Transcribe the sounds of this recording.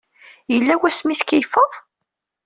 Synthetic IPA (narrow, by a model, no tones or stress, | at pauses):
jəlːæwæsmiθkəjfəðˤ